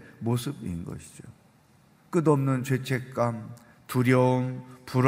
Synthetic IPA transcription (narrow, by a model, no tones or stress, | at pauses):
mosʰɯbḭnnɡʌ̰ɕʰi̥d͡ʑo | k͈ɯdʌmnɯnt͡ɕwet͡ɕʰe̞k̚k͈am | tuɾjʌɯmpuɾ